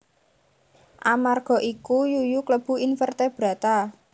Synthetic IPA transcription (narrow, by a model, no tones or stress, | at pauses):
ʔamarɡ̥ɔ̤ʔikujujukləb̥ṳinfərt̪ɛb̥ɾä̤t̪a